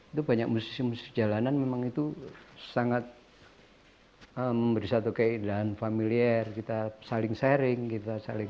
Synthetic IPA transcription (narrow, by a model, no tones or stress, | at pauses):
it̪ubaɲak̚musi̥smusi̥d͡ʒalananmemaŋit̪usaŋat̪̚ | əməmbəɾisat̪okəindaɦanfamiliɛrkit̪asalɪŋsɛɾɪŋkit̪asalɪŋ